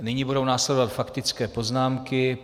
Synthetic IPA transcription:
nɪɲibudo̞wnaːslɛdo̞vat̪fakt̪ɪt͡skɛːpo̞znaːmkɪ

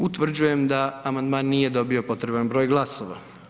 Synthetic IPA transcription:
ut̪ʋr̩d͡ʑuje̞md̪aamand̪maːnːije̞d̪o̞bio̞po̞t̪ɾe̞banbɾoːjɡlˠasoʋa̰

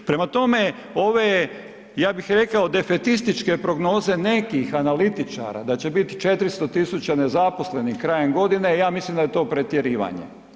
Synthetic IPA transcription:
pɾe̞mat̪o̞me̞ | o̞ʋe | jaːbixɾe̞kaod̪e̞fet̪ist̪it͡ʃke̞pɾo̞ɡno̞ːze̞ne̞kixanalit̪it͡ʃa̰ːɾa̰d̪at͡ɕe̞bit̪i̥t͡ʃe̞t̪ɾist̪o̞t̪isut͡ɕane̞zaposle̞nixkɾajemɡo̞d̪ine̞jaːmislimd̪ajet̪o̞ːpɾe̞t̪jeɾiːʋa̰ɲḛ

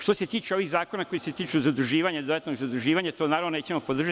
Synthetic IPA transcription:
ʃt̪oset̪iːt͡ʃeo̞ʋiɣzaːko̞nako̞juset̪iːt͡ʃuzad̪ɾuʒiːʋaɲad̪od̪at̪noɡzad̪uʒiːʋaɲat̪onaːɾaʋnoneːt͡ɕemopo̞d̪r̩ʒa

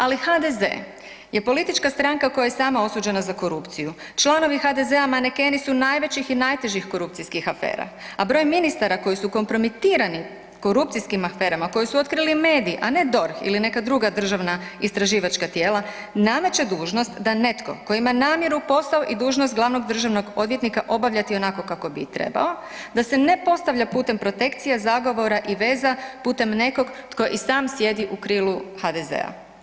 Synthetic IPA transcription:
alixad̪e̞zḛ | je̞po̞lit̪it͡ʃkast̪ɾaŋkako̞jajesaːmao̞suːd͡ʑe̞nazako̞ɾupt̪siju | t͡ʃlˠano̞ʋixad̪e̞ze̞amaneke̞nisunajʋe̞t͡ɕixinajt̪e̞ʒixko̞ɾup̚t̪siskixafe̞̰ːɾa̰abɾo̞jminist̪aɾako̞jisuko̞mpɾo̞mit̪iːɾani | ko̞ɾupt̪siskimafe̞ːɾamako̞jisuo̞t̪̚kɾilimeːd̪iːʔane̞d̪o̞ɾxḭline̞kad̪ɾuɡad̪r̩ʒaʋnaist̪ɾaʒiːʋat͡ʃkat̪je̞ːla | name̞t͡ʃe̞d̪uːʒno̞st̪d̪ane̞t̪ko̞̰koimanaːmje̞ɾupo̞saoʔid̪uːʒnost̪̚ɡlˠaʋno̞ɡd̪r̩ʒaʋno̞ɡo̞d̪ʋjet̪nikaʔo̞baʋʎʲat̪io̞nako̞kako̞bit̪ɾḛba̰o̞ | d̪asene̞po̞st̪aʋʎapuːt̪e̞mpɾo̞t̪e̞kt̪sijazaɡo̞ʋo̞ɾaʔiʋe̞ːzapuːt̪e̞mne̞ko̞ɡt̪ko̞ʔisaːmsje̞d̪iʔukɾiːluhxad̪ezḛa̰

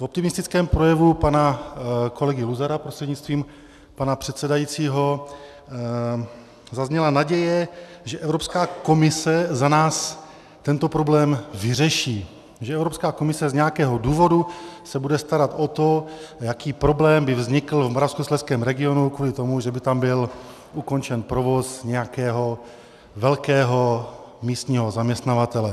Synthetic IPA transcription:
vo̞p̚t̪ɪmɪst̪ɪt͡skɛːmpɾo̞jɛvupanakʰo̞lɛɡɪluzaɾapɾost̪r̥ɛdɲɪtt͡st̪viːm | panapr̥ɛt̪sɛdajiːt͡siːɦo̞ | zazɲɛlanaɟɛjɛ | ʒɛʔɛvɾopskaːko̞mɪsɛzanaːs | t̪ɛnt̪o̞pɾoblɛːmvɪr̝ɛʃiː | ʒɛɛvɾo̞pskaːko̞mɪsɛzɲɛjakɛːɦo̞duːvo̞dusɛbudɛst̪aɾat̪ot̪o̞jakiːpɾo̞blɛːmbɪvzɲɪkl̩vmoɾafskuslɛskɛːmɾɛɡɪo̞nukvuːlɪt̪o̞muʒɛbɪt̪ambɪl | uko̞nt͡ʃɛnpɾovo̞sɲɛjakɛːɦo̞ | vɛlkɛːɦo̞ | miːst̪ɲiːɦo̞zamɲɛst̪navat̪ɛlɛ

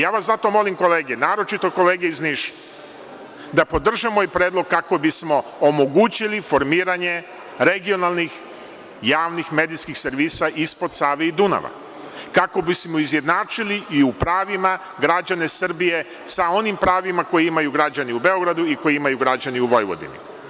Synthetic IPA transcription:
jaːʋaszat̪o̞mo̞limko̞le̞ːɡenaːɾo̞t͡ʃit̪o̞ko̞le̞ːɡeizniʃ | d̪apo̞d̪r̩ʒamoipɾeːd̪lo̞ɡ̚kako̞bismo̞omo̞ɡuːt͡ɕilifo̞ɾmiːɾaɲe | ɾe̞ɡio̞nalˠnix | jaːʋnixme̞ːd̪iskixse̞ɾʋiːsaʔispo̞d̪saːʋeid̪una̰ʋa̰ | kakobismoizje̞d̪naːt͡ʃiliʔiupɾaːʋima | ɡɾad͡ʑane̞sr̩bije̞ | sao̞nimpɾaːʋimako̞jiimajuɡɾad͡ʑaniube̞o̞ɡɾad̪uiko̞jiimajuɡɾad͡ʑaniuʋo̞jʋo̞̰d̪ḭnḭ

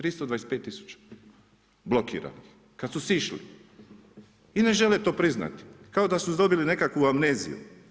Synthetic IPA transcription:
t̪ɾist̪od̪ʋaːespet̪ːisu̥t͡ʃḁ | blo̞kḭːɾa̰nix | kat̪susiʃlḭ | ine̞ʒe̞let̪o̞ːpɾizna̰t̪i̥kaod̪asuzd̪o̞biline̞kakʋuamneːzḭjṵ

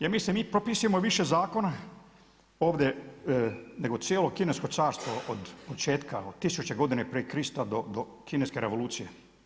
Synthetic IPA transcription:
jemisemiːpɾopisuje̞moʋiʃe̞zaːko̞na | o̞ːʋd̪je | neɡo̞t̪sjeːlokine̞sko̞t̪saːɾst̪ʋoʔod̪pot͡ʃe̞ːt̪kaod̪̚t̪ːisut͡ʃe̞ɡo̞d̪inepɾikɾist̪ad̪od̪o | kineske̞ɾe̞ʋo̞luːt̪sije

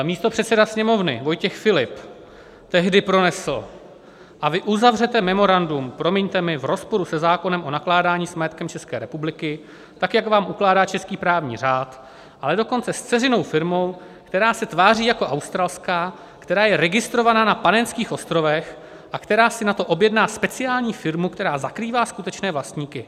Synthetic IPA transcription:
miːst̪o̞pr̥ɛt̪sɛdasɲɛmo̞vnɪ̰vo̞jcɛxfɪlɪp | t̪ɛɦdɪpɾo̞nɛsl̩ | ʔavɪʔuzavr̝ɛt̪ɛmɛmo̞ɾandumpɾo̞mɪɲt̪ɛmɪvɾo̞spo̞ɾusɛzaːko̞nɛmʔo̞naklaːdaːɲiːsmajɛt̪kɛmt͡ʃɛskɛːɾɛpublɪkɪ | t̪akjakvaːmʔuklaːdaːt͡ʃɛskiːpɾaːvɲḭːr̝aːt̪ | ʔalɛdoko̞nt͡sɛst͡sɛzɪno̞wfɪɾmo̞w | kt̪ɛɾaːsɛt̪vaːriːjako̞ʔawst̪ɾalskaː | kt̪ɛɾaːjɛɾɛɡɪst̪ɾo̞vanaːnapanɛnskiːxʔo̞st̪ɾo̞vɛx | ʔakt̪ɛɾaːsɪnat̪o̞ʔo̞bjɛdnaːspɛt͡sɪaːlɲiːfɪɾmukt̪ɛɾaːzakɾiːvaːskut̪ɛt͡ʃnɛːvlast̪ɲiːkɪ

